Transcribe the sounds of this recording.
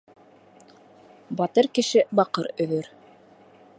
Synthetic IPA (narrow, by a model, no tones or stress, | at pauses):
bɑt̪ɤɾkɘ̆ʃɘbɑqɤɾɵ̆ðɵɾ